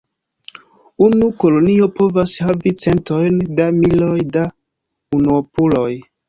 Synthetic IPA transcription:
unuko̞lo̞nio̞po̞vashavit͡se̞nto̞jndamilojda | unuopulo̞j

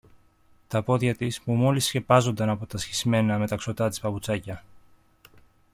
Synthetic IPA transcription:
t̪ɐpo̞ðçɐt̪ispumo̞lisçe̞pɐzo̞nd̪ɐnɐpo̞t̪ɐsçizme̞nɐme̞t̪ɐkso̞t̪ɐt̪ispɐput͡sɐcɐ

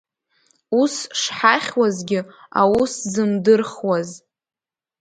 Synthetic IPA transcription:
usʂħaχʲwazɡʲɪ | a̰wuszɨmdɨrχwaz

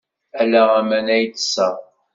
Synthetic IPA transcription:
ælæʁæmænæjt̪ːə̥sːəʁ

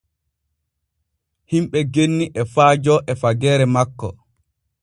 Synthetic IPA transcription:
himɓɛɡenːiʔɛfaːd͡ʒɔʔɛfaɡɛːɾɛmakːɔ̰

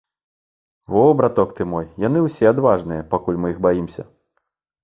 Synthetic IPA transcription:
ɔbɾat̪ɔkt̪ɨmɔjjan̪ɨwsʲɛad̪vaʐn̪ɨjɐpakulʲmɨjiɣbajimsʲɐ̰

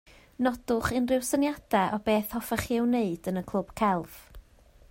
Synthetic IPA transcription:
nɔd̥ʊχɪnrɪwsənjad̥ɛʔɔbeːθhɔfɛχiɛwneɨd̥ənəkʰlˠʊb̥kʰɛlˠv̥

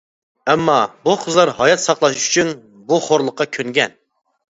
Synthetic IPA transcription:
ɛmːɑbuqʰəzlˠɑɾhɑjɑt̪sɑχlˠɑʃy̥t͡ʃʰyn | buχoɾlˠəqːɑkʲʰøŋɡʲɛn

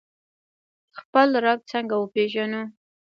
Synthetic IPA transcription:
xpəlɾaɡ̚t͡səŋɡawəpeʒanu

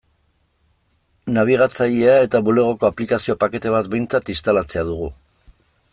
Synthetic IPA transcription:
naβ̞iɣ̞at͡saʎeae̞t̪aβule̞ɣ̞o̞ko̞aplikasio̞pake̞t̪e̞β̞at̪be̞jnt͡sat̪ist̪alat͡se̞aðuɣ̞u

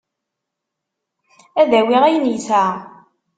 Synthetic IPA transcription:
æðæwiʁæjniθæ

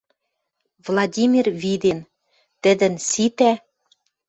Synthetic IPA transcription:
vlˠɑdʲimʲirvid̪en | t̪ɘ̆d̪ɘ̆nsit̪æ

